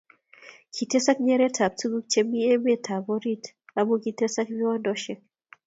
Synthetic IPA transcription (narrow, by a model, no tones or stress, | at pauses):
kʰitɛsak̚ɲɛɾɛtʰap̚tuɡuk̚t͡ʃɛmiɛbɛtʰabɔɾit | amukitɛsakmiwandɔʃɛk̚